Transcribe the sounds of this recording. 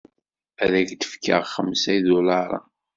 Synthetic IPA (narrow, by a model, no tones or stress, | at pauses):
æðæçd̪ə̥fkʰə̰ʁχəmsæjðʊlɑɾˤɑ̰